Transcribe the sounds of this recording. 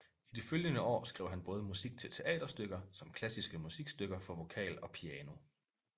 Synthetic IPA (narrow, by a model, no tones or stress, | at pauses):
id̥iføljənəɒ̰ːsɡ̥ʁɛ̰ʊ̰ɦænb̥ɔ̽ːð̞̩ˠəmusiɡ̥̚t͡sʰe̝lt͡sʰe̝ʔɛ̰ːd̥ɐsd̥øɡ̥ɐsɒ̽mkʰlæsisɡ̥əmusiɡ̥sd̥øɡ̥ɐfɒ̽ʋo̝kʰɛ̰ːlɒ̽pʰiɛːno̝